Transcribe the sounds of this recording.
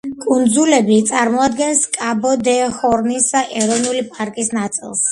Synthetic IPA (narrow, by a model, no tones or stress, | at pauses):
kʼund̪zulɛbit̪sʼaɾmɔad̪ɡɛnskʼabɔd̪ɛhɔɾnisd̪aʔɛɾɔvnulipʼaɾkʼisnat̪sʼḭlˠs